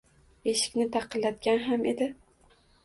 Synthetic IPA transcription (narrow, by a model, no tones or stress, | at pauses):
eʃɪ̥kʲnɪt̪ʰɑqʰɨlːat̪̚ɡʲanɦame̞d̪ɪ